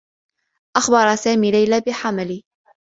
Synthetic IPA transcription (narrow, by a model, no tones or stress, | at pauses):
ʔaxbɑɾˤɑsaːmiːlajlaːbɪħamaliː